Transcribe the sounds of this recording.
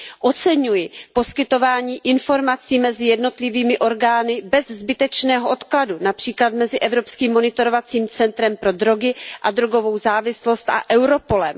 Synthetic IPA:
ʔo̞t͡sɛɲujɪpo̞skɪt̪o̞vaːɲiːʔɪnfo̞ɾmat͡siːmɛzɪjɛdno̞t̪lɪviːmɪʔo̞ɾɡaːnɪbɛzzbɪt̪ɛt͡ʃnɛːɦoʔo̞t̪kladunapr̥iːklat̪̚mɛzɪʔɛvɾo̞pskiːmːo̞nɪt̪o̞ɾovat͡siːmt͡sɛnt̪ɾɛmpɾo̞dɾo̞ɡɪʔad̪ɾoɡo̞vo̞wzaːvɪslo̞st̪ʔa̰ʔɛwɾo̞po̞lɛm

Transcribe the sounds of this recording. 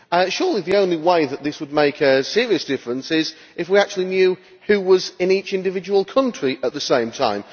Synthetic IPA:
əʃɔːlˠiðiõʊ̃nliweɪðəʔ̪̚ðɪswəd̚meɪkɨsɪɹiɨsd̥ɪfɹə̃nsɪz | ʔɪfwiak̚t͡ʃʉlˠinjʉː | hʉwʌzɪ̃niˑt͡ʃɪ̃ndɨvɪd͡ʒəwəlˠkʰʌ̃nt͡ʃɹ̥iət̪̚ðəsẽɪ̃mtʰã̰ɪ̃m

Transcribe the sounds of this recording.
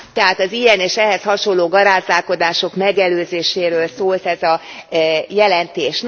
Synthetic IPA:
t̪ɛɦaːt̪ɒzijɛneːʃɛɦɛshɒʃo̞lːoːɡɒɾaːzaːlko̞d̪aːʃo̞kmɛɡɛløːzeːʃeːɾøːlsoːlt̪ɛzɒ | jɛlɛnt̪eːʃn

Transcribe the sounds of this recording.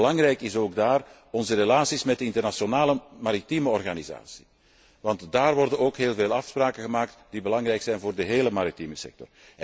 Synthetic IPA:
əlɑŋrɛjkɪsoːɡ̚daːr | ɔnzəɾelaːsismɛt̚dəɪntərnasjonaːləmaɾitiməɔrɣaniza̰ːsi̥ | ʋɑntdaːrʋɔrdənoːkɦeːlˠveːlˠɑfspraːkəɣəmaːk̚td̥ibəlɑŋrɛjksɛjnvoːrdəɦeːləmaɾitiməsɛ̰k̚tɔ̰r

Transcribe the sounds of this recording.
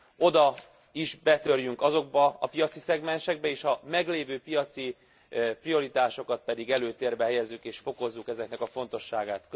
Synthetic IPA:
o̞d̪ɒ | iʒbɛt̪ø̞rjyŋkɒzo̞ɡ̚bɒɒpijɒt̪sisɛɡmɛnʃɛɡ̚bɛeːʃɒmɛɡleːvøːpijɒt̪si | prio̞ɾit̪aːʃo̞kɒt̪̚pɛd̪iɡɛløːt̪eːrbɛɦɛjɛzːykeːʃfo̞ko̞zːukɛzɛknɛkɒfo̞nt̪o̞ʃːaːɡaːt̪k

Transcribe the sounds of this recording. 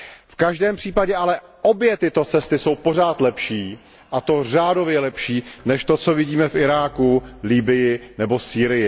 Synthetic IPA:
fkaʒdɛːmpr̝̥iːpaɟɛʔalɛʔo̞bjɛt̪ɪt̪o̞t͡sɛst̪ɪso̞wpo̞r̝aːt̪lɛpʃiː | ʔat̪o̞raːdo̞vjɛlɛpʃiːnɛʃt̪o̞t͡so̞vɪɟiːmɛfʔɪɾaːkuliːbɪjɪnɛbo̞siːɾɪjɪ

